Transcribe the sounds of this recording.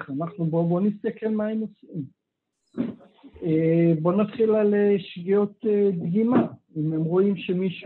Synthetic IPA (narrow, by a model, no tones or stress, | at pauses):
χanaχnubo̞bo̞nist̪ake̞lmae̞mosim | ebo̞nat̪χilaleʃɡio̞t̪edɡima | imemʁo̞imʃe̞miʃ